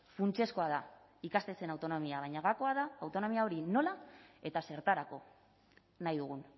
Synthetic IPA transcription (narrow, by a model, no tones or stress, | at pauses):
funt͡se̞sko̞að̞a | ikast̪e̞se̞nawt̪o̞no̞miaβ̞ajɲaɣako̞aðaːwt̪o̞no̞miao̞ɾino̞lae̞t̪ase̞ɾt̪aɾako̞ | najðuɣ̞un